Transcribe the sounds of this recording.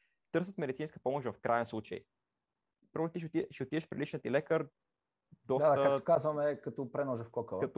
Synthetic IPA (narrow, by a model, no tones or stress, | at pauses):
t̪ɤɾsət̪mɛd̪it̪sinskə̥pɔmʊʃd̪vɐfkɾʔajɛnslˠut͡ʃə̰j | pɾɔnt̪iʃt̪ʃioʊt̪ivɛʃpɾilit͡ʃnət̪ilɛkəɾ | d̪ɔataəakt̪o̥kazvɐmɛkɐt̪ɔpɾɛnɔʒəfkɔkəvˠɐt̪